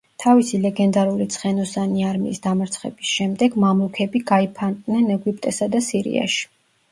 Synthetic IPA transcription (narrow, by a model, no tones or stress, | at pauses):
t̪ʰavisilɛɡɛnd̪aɾuɾit̪sʰχɛnɔsaniaɾmḭːsd̪amaɾt̪sʰχɛ̰bisʃɛmd̪ɛɡmamlukʰɛbiɡaipʰant̪ʼnɛnɛɡwip̚ʰʼt̪ʼɛsad̪asiɾḭa̰ʃi̥